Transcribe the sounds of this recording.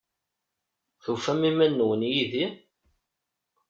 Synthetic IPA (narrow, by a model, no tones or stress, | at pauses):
θufæmimænːəwənjiði